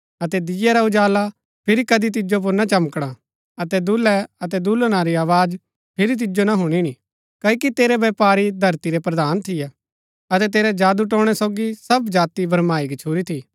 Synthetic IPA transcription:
ɐt̪ɛd̪ɪjɛɾaʊd͡ʒaːla | pʰɪɾikɐd̪it̪̬ɪd͡ʒop̬ʊɾnɐt͡ʃɐmkɽ̃a | ɐt̪ɛd̪ʊlɛɐt̪ɛd̪ʊlnaɾiaːʋaːd͡ʒ | pʰɪɾit̪̬ɪd͡ʒonaɦʊɽ̃iñi | kɐikit̪eːɾɛʋɛːpaːɾid̪ʱɐɾt̪iɾɛpɾɐd̪aːnt̪ʰɪjɛ | ɐt̪ɛt̪eːɾɛd͡ʒaːd̪uʈ̬õːɽ̃ɛsoːɡisɐbd͡ʒaːt̪ibʱɐɾmaːikt͡ʃʰuːɾit̪ʰiː

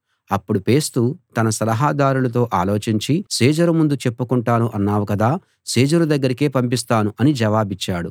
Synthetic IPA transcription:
ɐpːuɽupe̞ːst̪ut̪ɐnɐsɐlɐɦaːd̪aːɾulɐt̪̬o̞ːʔaːlo̞ːt͡ʃiɲt͡ʃisiːd͡ʒɐɾumund̪ut͡ʃe̞pːukuɳʈaːnuʔɐnːaːʋukɐd̪aː | siːd͡ʒɐɾud̪ɐɡːɐɾike̞ːpɐmp̬is̬t̪aːnuʔɐnid͡ʒɐʋaːbit͡ʃːaːɽu

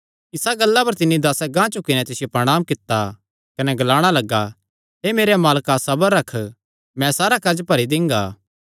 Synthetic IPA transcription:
ɪsaɡɐlːapɐɾt̪ɪnːid̪aːsaɡãːt͡ʃʊkːɪnɛt̪ɪsɪjepɾɐɽ̃aːmkɪt̪ːa | kɐnɛɡɐlaːɽ̃alɐɡːa | ɦeːmeːɾemaːlkasɐbəɾːɐkʰ | mɛ̃saːɾakɐd͡ʒpɐɾid̪ɪ̃ŋɡa̰ː

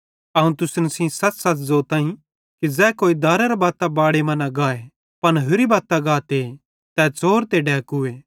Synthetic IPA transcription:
ɐũt̪ʊsnəsĩsɐt͡ʃsɐt͡ʃzoːt̪ãːĩ | kizɛːkoːid̪aːɾeɾabaːt̪abaːɽemɐ̃naɡaːe | pɐnɦʊɾibaːt̪ːaɡaːt̪e | t̪ɛːt͡soːɾt̪eɖɛːkʊeː

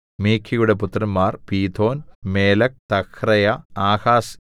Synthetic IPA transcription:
meːkʰːijuɽeput̪rɐmmaːrpiːt̪ʰo̞ːnmeːlɐk̚t̪ɐkʰrɐjɐaːhaːs

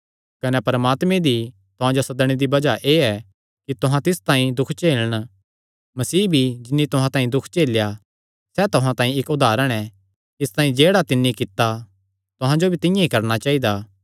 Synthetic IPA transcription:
kɐnɛpɐɾəmaːt̪mẽd̪i | t̪ʊɦãd͡ʒosɐd̪əɽ̃id̪ibɐd͡ʒaʔeːɛ | kit̪ʊɦãt̪ɪst̪ãːĩd̪ʊkʰt͡ʃeːləɽ̃ | mɐsiːbʱid͡ʒɪnːit̪ʊɦãt̪ãːĩd̪ʊkʰt͡ʃeːlja | sɛt̪ʊɦãt̪ãːĩɪkʊd̪aːɾəɽ̃ɛ | ɪst̪ãːĩd͡ʒeːɽat̪ɪnːikɪt̪ːa | t̪ʊɦãd͡ʒobʱit̪ɪ̃jãikɐɾñat͡ʃaːid̪aː

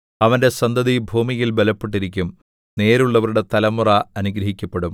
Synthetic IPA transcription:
ɐʋɐnde̞sɐnd̪ɐðibʱuːmijilbelɐpːeʈːiɾikʲːum | ne̞ːɾuɭːɐʋɐɾuɽe̞t̪ɐlɐmːurɐɐnuɡɾɐɦikʲːɐpːe̞ɽum

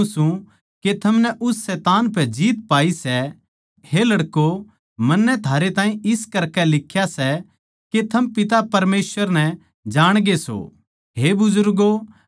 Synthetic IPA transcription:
sũ | ket̪ʰɐmnɛʔʊsːɛːt̪aːnpɛd͡ʒiːt̪̚paːisɛ | helɐɽko | mɐnːɛt̪ʰaːɾet̪ãːĩɪskɐɾkɛlɪkʰːjasɛ | ket̪ʰɐmpɪt̪̬apɐɾmeːsʋəɾnɛ̃ | d͡ʒaːɽ̃ɡeso̰ | ɦebʊzʊɾɡo

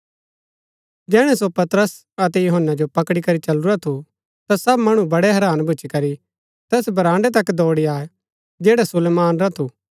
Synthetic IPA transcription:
d͡ʒɛːɽ̃ɛsopɐt̪ɾəs | ɐt̪ɛjuɦənːad͡ʒopɐkɽikɐɾit͡ʃɐluɾat̪ʰu | t̪asɐbmɐɽ̃ubɐɽɛɦɐɾaːnbʱʊːt͡ʃikɐɾi | t̪ɛːsbʱɐɾãːɳɖet̪ɐkd̪ɔːɽiaːe | d͡ʒeːɽasʊleːmaːnɾɐt̪ʰuː

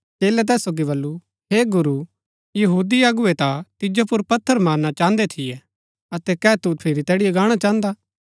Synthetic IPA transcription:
t͡ʃeːlɛt̪̬ɛːsːoːɡiβɐlːu | ɦeːɡʊɾu | jɐɦuːd̪iɐɡʊet̪at̪ɪd͡ʒopʊɾpɐt̪ʰːəɾmaːɾnat͡ʃãːnd̪et̪ʰɪjɛ | ɐt̪ɛkɛːt̪upʰeɾit̪ɛːɽijɛɡaːɽ̃at͡ʃãːnd̪aː

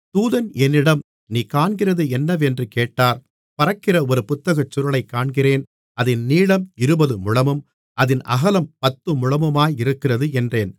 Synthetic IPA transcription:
t̪uːðɐnɛnːɪɽɐm | niːkaːɳɡɪrɐðɯɛnːɐʋɛndrɯkeːʈːaːɾ | pɐɾɐkːɪrɐɔɾɯpʊt̪ːɐɣɐt͡ʃːʊɾɐɭɐɪkːaːɳɡɪreːn | ɐðɪnniːɭɐmɪɾɯbɐðɯmʊɻɐmɯm | ʔɐðɪnʔɐ̰ɣɐlɐmpɐt̪ːɯmʊɻɐmɯmaːjɪɾɯkːɪrɐðɯɛndreːn

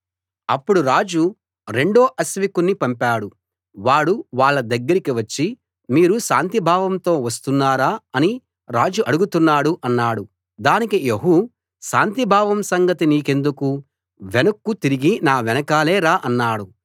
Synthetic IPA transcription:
ɐpːuɽuɾaːd͡ʒu | ɾe̞ɳɖo̞ːʔɐsʋikunːipɐmpaːɽu | ʋaːɽuʋaːɭːɐd̪ɐɡːɐɾikiʋɐt͡ʃːi | miːɾuʃaːnt̪ibʱaːʋɐmt̪o̞ːʋɐs̬t̪unːaːɾaːɐni | ɾaːd͡ʒuʔɐɽuɡut̪unːaːɽuʔɐnːaːɽu | d̪aːnikieɦu | ʃaːnt̪ibʱaːʋɐmsɐŋɡɐt̪iniːke̞nd̪uku | ʋɛnɐkːut̪iɾiɡinaːʋɛnɐkaːleːɾaːʔɐnːaːɽu

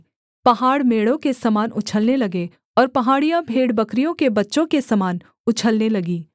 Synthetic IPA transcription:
pɐɦaːɽmeːɽõkesɐmaːnʊt͡ʃʰəlnelɐɡe | ɔːɾpɐɦaːɽijãbʱeːɽbɐkɾijõkebɐtːʃõkesɐmaːn | ʊt͡ʃʰəlnelɐɡiː

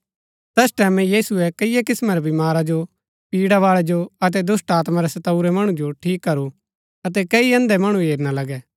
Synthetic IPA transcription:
t̪ɛsʈɛːmɛ̃jiːsuɛkɐɪjɛkɪsmɛɾɛbɪmaːɾad͡ʒo | piːɽaʋaːɭɛd͡ʒoɐt̪ɛd̪ʊsʈaːt̪maɾɛsɐt̪ɐuɾɛmɐɽ̃ũd͡ʒoʈʰiːkːɐɾu | ɐt̪̬ɛkɐiɐ̃nd̪ɛmɐɽ̃ũɦeːɾnalɐɡɛ

